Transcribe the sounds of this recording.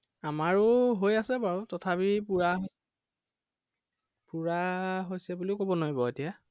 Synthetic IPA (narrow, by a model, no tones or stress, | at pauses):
amaɹʊɦojasɛbaɹutɔtʰapipuɹaɦo | puɹaɦojsɛbuliʊkobɔnoɹibɔetija